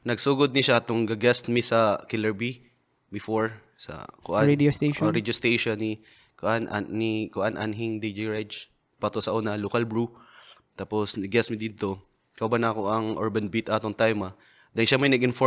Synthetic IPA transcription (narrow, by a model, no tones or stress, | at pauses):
nɐɡsuːɡod̪̚nɪʃat̪ʊŋɡɐɡɛst̪̚mɪsɐkɪlɛɹbi | bɪfoɹ | sɐ̰koʔanɛost̪eɾɛd̪ost̪ejʃonːɪ | kʔan̰ːikʊʔanʔa̰nɦiŋd̪ed͡ʒiɹɛd͡ʒ | pɐt̪osɐʔonɐlokɐlbɹut̪aːposnɐɡɛsmɪd̪id̪̚t̪o̞ | kɐwbɐnakoʔɐŋʔoɹbɐnbit̪ʔat̪oŋt̪ajmɐ | d̪ɐnʃamɐjnɐɡʔɪnfo